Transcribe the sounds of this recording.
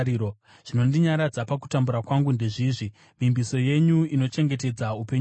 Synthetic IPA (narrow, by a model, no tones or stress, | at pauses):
iːo | ʐ̥ino̞ndiɲaɾad͡zapak̬u̥tambuɾakwaŋɡundeʐiːʐi | mimbiso̞je̞ɲuino̞t͡ʃe̞ŋɡe̞te̞d͡zaupe̞ɲ